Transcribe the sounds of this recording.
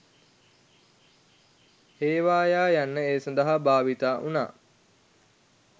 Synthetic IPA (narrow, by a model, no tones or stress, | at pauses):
heːʋaːjaːjanːəeːsand̪əɦabaːʋit̪aːʔuna̰ː